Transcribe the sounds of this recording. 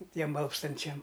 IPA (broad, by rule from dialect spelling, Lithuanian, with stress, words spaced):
ˈtʲiɛm ˈɐlˠpstɐnʲt͡ʃʲɛm